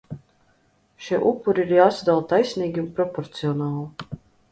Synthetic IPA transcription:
ʃiʔupːuɾiiɾjaːsad̪alˠt̪ajsʲniːɡʲiunpɾɔpɔɾt̪siɔnaːlˠi

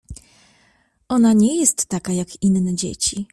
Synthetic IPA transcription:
ʔɔnaɲɛjɛst̪ːakajakinːɛd͡ʑḛt͡ɕi

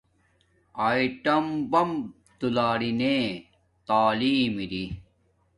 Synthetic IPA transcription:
aːiʈɐmbɐm | t̪ulaːɾine | t̪aːliːmiɾi

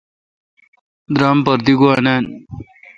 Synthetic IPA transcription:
d̪ɾaːmpəɾd̪iɡuanaːn

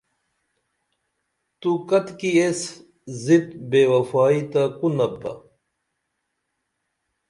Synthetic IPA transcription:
t̪ukɐt̪kies | zit̪beːwɐfaːit̪akunɐb̚t̪ɐ̰

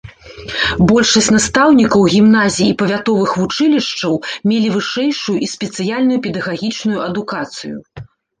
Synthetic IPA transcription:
bɔlʲʂɐsʲtʲnast̪awnʲikɐwɣʲimnazʲijipɐvʲat̪ɔvɨxvut͡ʂɨlʲiʂt͡ʂɐwmʲelʲivɨʂɛjʂujuʔisʲpʲɛt̪sɨjalʲnujupʲɛd̪ɐɣaɣʲit͡ʂnujuɐd̪ukat̪sɨjṵ

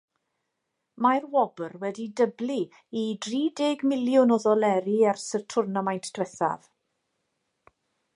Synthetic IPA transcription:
majrwɔbərwɛdidəbli | idriːdɪɡmɪljʊnɔðɔlɛɾiarsərtʰʊrnamajntʰd̥wɛθa̰v

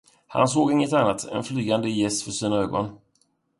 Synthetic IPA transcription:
ha̰ns̬oːɡɪŋːət̪anːat̪ʰɛ̰nflyːɡand̪əjɛst̪fœʂiːnaøːɡɔ̰n

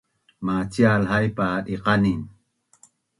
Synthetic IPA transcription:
mat͡ɕialhajpaɗiqanin

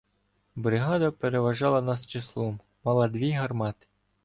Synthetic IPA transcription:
bɾɪɦɑd̪ɐpeɾeʋɐʒɑlˠɐnɑst͡ʃɪslˠɔm | mɑlˠɑd̪ʋʲiɦɐrmɑt̪ɪ̥

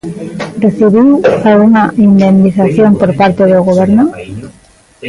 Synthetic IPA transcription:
reθiβiwalɣuŋaind̪end̪iθaθjompoɾpaɾt̪eðoɣ̞oβ̞eɾno

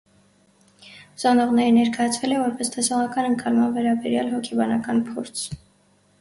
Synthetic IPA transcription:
zɑnɔʁnɛɾənɛɾkɑjɑt͡sʰvɛlɛvɔɾpɛst̪ʰɛsɔʁɑkɑnəŋkʰɑlmɑnvɛɾɑbɛɾjɑlɦɔkʰɛbɑnɑkɑnpʰɔɾt͡sʰ

